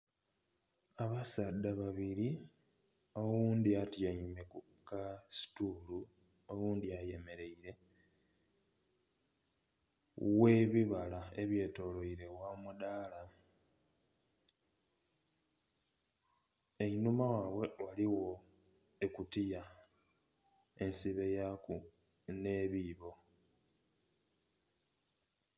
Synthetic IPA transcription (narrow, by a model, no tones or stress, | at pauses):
aβasadaβaβiɾi | o̞wuːnd̪iatjaime̞ku | kasi̥tulu | owuːnd̪iaje̞me̞ɾe̞iɾe̞ | we̞βiβalaeβje̞ːto̞lo̞iɾe̞wamudaːla | einumawaːβwe̞waliwo̞ | ekutija | e̞nsiβe̞jaku | ne̞βiβo̞